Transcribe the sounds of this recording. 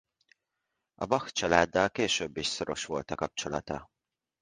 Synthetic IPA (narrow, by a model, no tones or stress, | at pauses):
ɒbɒxt͡ʃɒlaːd̪ːɒlkeːʃøbːiʃsoɾo̞ʃʋo̞lt̪ɒkɒp̚t͡ʃo̞lɒ̰t̪ɒ